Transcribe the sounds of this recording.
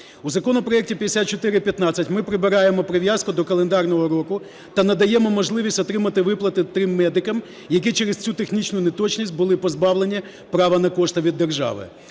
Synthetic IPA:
uzɐkɔnɔpɾɔɛk̚tʲipʲjɐd̪esʲat̪̚t͡ʃɔt̪ɪɾɪpʲjɐt̪nɑt͡sʲɐtʲmɪpɾɪbɪɾɑjemɔpɾeʋʲjaskʊd̪ɔkɐlˠend̪ɑrnɔɦɔɾɔkʊ | t̪ɐnɐd̪ɐjɛmɔmɔʒlˠɪʋʲisʲtʲɔt̪ɾɪmɐt̪ɪʋɪplˠɐt̪ɪt̪ɾɪmːɛd̪ɪkɐm | jɐkit͡ʃɛɾest͡sʲut̪exnʲit͡ʃnʊnet̪ɔt͡ʃnʲisʲt̚ʲbʊlˠɪpɔzbɑʋlˠenʲi | pɾɑʋɐnɐkɔʃt̪ɐʋʲid̪ːerʒɑ̰ʋɪ̰

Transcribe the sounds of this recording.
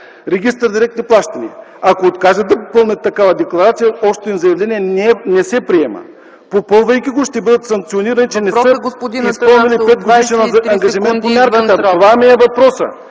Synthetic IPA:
ɾɛɡ̟ist̪əɾd̪iɾɛk̚t̪niplˠaʃt̪ɐniɐakoːt̪kaʒəd̪d̪ɐppɤlˠnʲət̪ːɐkavɐd̪ɛklˠɐɾat̪sijɐɔʃt̪oinzɐjɐvlɛniɛɛnɛsɛpɾiɛmə̰ | popɤlˠvɐjkʲiɡoʃt̪ɛbɤd̪ət̪sɐŋk̚t̪sioniɾɐnit͡ʃɛnɛsəɡ̪ispɔlˠnilippɛt̪̚ɡod̪iʃɛnɐŋɡɐʒimɛnt̪̚pomʲjaɾkət̪ət̪ovamiɛvɐpɾɔsə̰

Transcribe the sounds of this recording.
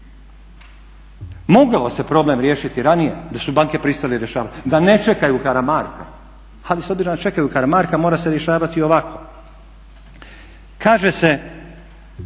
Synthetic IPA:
mo̞ɡaose̞pɾo̞ble̞mɾje̞ːʃit̪iɾanije̞d̪asubaŋke̞pɾist̪aliɾje̞ʃaːʋat̪d̪ane̞t͡ʃe̞kajukaɾamaːɾka | aliso̞bziɾod̪at͡ʃe̞kajukaɾamaɾkamo̞ːɾase̞ɾje̞ʃaːʋat̪io̞ʋakʰo̞ | kaːʒese̞

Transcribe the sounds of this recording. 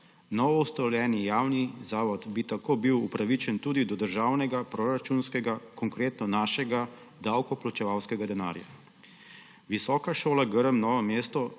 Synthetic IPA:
nɔʋɔust̪ɔljɛːnijaːwnizaːʋɔd̪bit̪akoːbiwupɾaʋit͡ʃɛnt̪uːd̪id̪ɔd̪əɾʒaːwnɛɡapɾoɾat͡ʃunskɛɡakɔŋkɾeːt̪nɔnaːʃɛɡa | d̪awkɔplat͡ʃɛʋawskɛɡad̪ɛna̰ːɾja̰ | ʋisɔːkaʃoːlaɡəɾəmnɔːʋɔmjeːst̪ɔ

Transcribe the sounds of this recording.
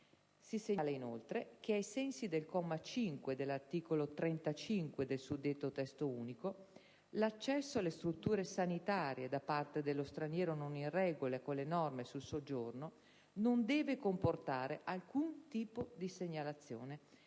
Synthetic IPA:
siseleinolt̪ɾek̟eajsɛnsid̪elkɔmːat͡ʃiŋkwed̪elːart̪iːkolot̪ɾent̪at͡ʃiŋkwed̪elsud̪ːet̪ːot̪ɛst̪ouːniko | lat͡ʃːɛsːoalːest̪ɾut̪ːuːɾesanit̪aːɾjed̪apːart̪ed̪elːost̪ɾanjɛːɾononirɛːɡolekonlenɔrmesulsod͡ʒorno | nond̪ɛːvekomport̪aːɾeʔalkunt̪iːpod̪iseɲːalat̪sːjoːne

